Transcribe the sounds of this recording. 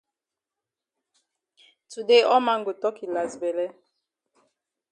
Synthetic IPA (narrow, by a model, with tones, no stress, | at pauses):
tu˨de˦ʔɔ˦ma˦ŋɡo˨tɔ˦ki˨la˨zbɛ˨lɛ˦